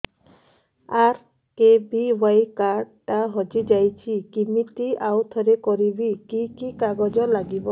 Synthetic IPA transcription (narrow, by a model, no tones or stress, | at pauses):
aɾ | kebiwajkaɾɖʈaɦɔd͡ʒid͡ʒajt͡ʃʰikimit̪iawt̪ʰɔɾekɔɾibikikikaɡɔd͡ʒɔlaɡibɔ